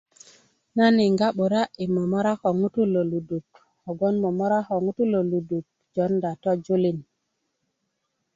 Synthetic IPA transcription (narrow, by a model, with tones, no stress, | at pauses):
na˦ni˨ŋɡa˦ɓu˨ɾa˦i˨mo˨mo˦ɾa˦ko˨ŋu˦tu˦lo˨lu˨du˨k | o˨ɡo˦nmo˨mo˦ɾa˦xo˨ŋu˦tu˦lo˨lu˨du˨k̚ | d͡ʒo˦nda˨to˦d͡ʒu˦li˨n